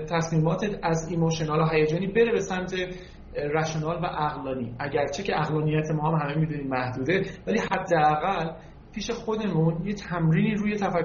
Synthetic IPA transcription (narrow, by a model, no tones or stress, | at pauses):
t̪ʰæsmiːmɒːt̪ʰeæzimoʃonɒloɦæjed͡ʒɒːniːbe̞ɾe̞be̞sæmt̪ʰe̞ | ɾæʃonɒːlvæʔæɣlɒːnḭːʔæɟæɾt͡ʃʰecʰeʔæɣlɒːnijæt̪ʰemɒːhæmhæme̞mid̪uniːmmæhd̪uːd̪e̞væliːhæd̪ːeæɣæl | pʰiːʃe̞xo̞d̪e̞munjet̪ʰæmɾiːniːɾuːje̞t̪ʰæfæk